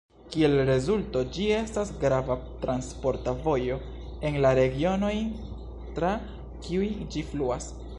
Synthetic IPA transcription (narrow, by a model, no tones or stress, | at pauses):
kie̞lɾe̞zulto̞d͡ʒie̞stasɡɾavatɾanspo̞ɾtavo̞jo̞ | e̞nlaɾe̞ɡio̞no̞j | tɾa | kiujd͡ʒifluas